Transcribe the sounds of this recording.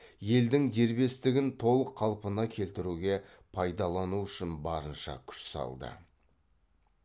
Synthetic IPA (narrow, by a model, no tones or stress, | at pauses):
je̞ld̪ɪŋd̪e̞ɾbe̞st̪ɪɡʲɪnt̪ʰo̞lˠəqʰːɑlˠpənɑkʲʰe̞lt̪ɪɾuɡʲe̞ | pʰɑjd̪ɑlˠɑnuʏʃɪnbɑɾənʃɑ̰kʲʰʏ̥ʃsɑ̰lˠd̪ə̰